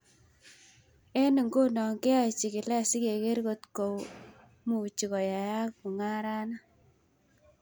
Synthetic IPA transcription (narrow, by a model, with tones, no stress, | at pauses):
ɛ˦nɪ˨ŋɡo˦nɔ˨ŋke˦a˦˨t͡ʃi˨ki˨lɛ˦si˦ke˨ke˦ɾko˦t̪ko˨w | mu˨t͡ʃi˨kɔ˨ja˨ja˦k̚mu˨ŋa˦ɾa˦na˦